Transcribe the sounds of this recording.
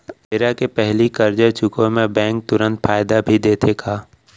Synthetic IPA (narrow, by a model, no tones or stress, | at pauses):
eɾakepɛɦlikɐɾd͡ʒat͡ʃʊkõmẽbɛ̃ːŋk̚t̪ʊɾə̃nt̪faːɪd̪abʱid̪eːt̪ʰekʰaː